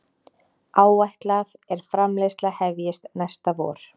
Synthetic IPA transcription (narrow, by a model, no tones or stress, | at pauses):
aːwaht̪laðɛɾ̥fɾamlejst̪laɣhɛvjɪst̪nɛjst̪avɔ̰ːɾ̥